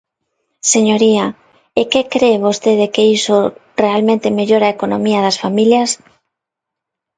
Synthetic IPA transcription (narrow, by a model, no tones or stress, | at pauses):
seɲoɾiɐ | ekekɾeβ̞ost̪eðekeiso | realmẽnt̪ɪmeʎoɾaekonomiɐðɐsfamiljɐs